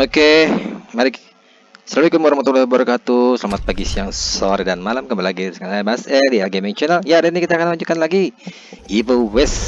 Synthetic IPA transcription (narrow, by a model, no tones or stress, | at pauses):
okemaɾɪk | səlaluikut̪̚moɾamat̪ɔloboɾkat̪usəlamat̪̚paɡisiaŋsoɾedanmalamkəmbalaɡisəŋalamasɛdiaɡemiŋt͡ʃənaljadanikit̪aːkanmaɲd͡ʒukanlaɡi | ipowɛs